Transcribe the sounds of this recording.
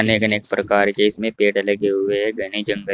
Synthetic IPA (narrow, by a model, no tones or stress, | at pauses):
neɡəneːk̚pɾɐkaːɾkeɪsmẽpeːʈəlɐɡeɦʊeɦɛɡɐñed͡ʒɐ̃ŋɡə